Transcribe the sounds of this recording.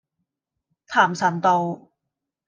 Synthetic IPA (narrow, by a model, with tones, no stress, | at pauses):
t̪ʰaː˨˩msɐ˨˦nt̪o˧w